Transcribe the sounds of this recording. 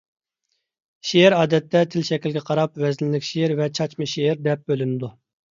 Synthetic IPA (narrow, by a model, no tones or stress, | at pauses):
ʃeɾɑːd̪ɛt̪ʰːɛt̪ʰɪlʃɛkʲilɡʲɛqʰɑɾɑpvɛznlɪkʲʃeɾvɛt͡ʃʰɑt͡ʃmɨʃeɪɾd̪ɛp̚bølynɪd̪u